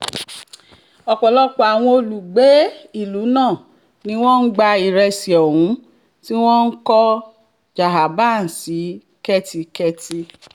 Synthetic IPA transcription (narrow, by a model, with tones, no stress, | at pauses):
ɔ˧k͡pɔ˨lɔ˦k͡pɔ˨a˨w̃ɔ̃˧o˧lu˨ɡ͡be˨˦i˦˨lu˨˦nãː˦˨ | nĩ˨˦w̃ɔ̃˦n̩˦ɡ͡ba˧i˨ɾɛ˧si˨ɔ˨wũ˨˦ | ti˦w̃ɔ̃˦n̩˦kɔ˦ | d͡ʒa˨ɦa˨ba˦˨n̩˨si˨˦ | kɛ˦ti˧kɛ˦ti˧